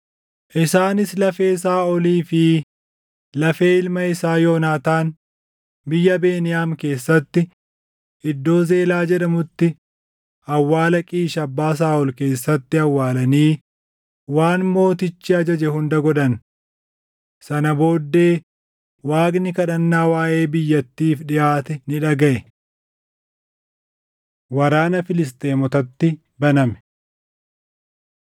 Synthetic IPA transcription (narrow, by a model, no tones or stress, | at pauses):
ʔɪsaːnɪslɐfe̞ːsaːɔliːfɪ | lɐfe̞ːɪlmɐɪsaːjo̞ːnaːt̪aːn | bɪjːɐbe̞ːnɪjaːmke̞ːsːɐt̪ːɪ | ʔɪd̪ːo̞ːze̞ːlaːd͡ʒɛᶑɐmʊt̪ːɪ | ɐwːaːlɐkʼiːʃɐbːaːs̬aːɔlke̞ːsːɐt̪ːɪɐwːaːlɐniː | waːnmo̞ːt̪ɪt͡ʃːɪɐd͡ʒɐd͡ʒɛhʊnd̪ɐɡɔᶑɐn | sɐnɐbo̞ːd̪ːe̞ː | waːɡnɪkɐᶑɐnːaːwaːʔe̞ːbɪjːɐt̪ːiːfᶑɪjʔaːt̪ɛnɪᶑɐɡɐʔɛ | wɐɾaːnɐfɪlɪs̬t̪e̞ːmɔt̪ɐt̪ːɪ | bɐnɐmɛ̥